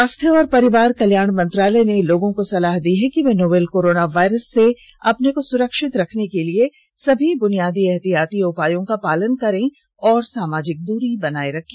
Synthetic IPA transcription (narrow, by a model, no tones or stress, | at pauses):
aːst̪ʰjeɔːɾpɐɾɪʋaːɾkɐljaːɳmɐ̃nt̪ɾaːlɛneloːɡõkosɐlaːɦd̪iɦɛkiʋẽːnoːbeːlkoːɾoːnaʋaːɪɾəsːe | ɐpnekosʊɾəkʃɪt̪ɾɐkʰnekelie | sɐbʱibʊnijaːd̪iɛɦt̪ijaːt̪iʊpaːjõkapaːlənkɐɾẽ | ɔːɾsaːmaːd͡ʒɪk̚d̪uːɾibɐnaːeɾɐkʰẽ